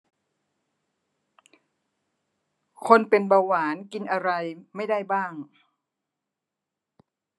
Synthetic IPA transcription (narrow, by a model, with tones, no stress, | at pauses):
kʰo˧npe˧nba˧waː˩˦nki˧nʔa˧ɾa˧jma˥˩jda˥˩jbaː˥˩ŋ